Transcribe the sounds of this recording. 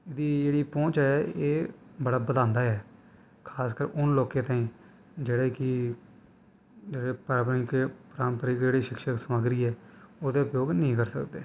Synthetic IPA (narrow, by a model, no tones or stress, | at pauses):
ɪd̪iːd͡ʒeːɽiːpõːt͡ʃɛːeːbəɽaːbəd̪ãːnd̪aːɛː | kʰaːskəɾʊnloːkẽːt̪ãːĩː | d͡ʒeːɽeːkɪ | d͡ʒeːɽeːpəɾapnikepɾaːmpəɾiːkd͡ʒeːɽiːʃɪkʃəksəmaːɡɾiːɛːoːd̪eːʊpjoːɡnəĩːkəɾsəkd̪eː